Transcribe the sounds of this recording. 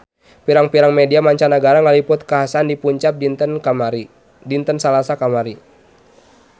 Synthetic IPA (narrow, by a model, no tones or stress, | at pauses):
piɾaŋpiɾaŋmɛdiamaɲt͡ʃanaɡaɾaŋalipʊt̪̚kaɦasaːndipuɲt͡ʃap̚n | dint̪ənsalasakamaɾi